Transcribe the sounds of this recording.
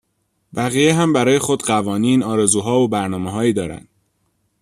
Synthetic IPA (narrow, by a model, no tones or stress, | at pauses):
bæɣijeɦæmbæɾɒːje̞xo̞d̪ɢævɒːniːnɒːɾe̞zuːɦɒːvobæɾnɒːmeɦɒːjiːd̪ɒːɾæ̰nd̪̥̚